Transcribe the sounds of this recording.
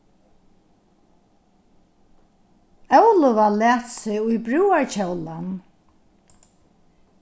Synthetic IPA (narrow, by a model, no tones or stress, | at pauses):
œwlʊvalæːt̪sɪʊjbɹuːaɹt͡ɕœwlan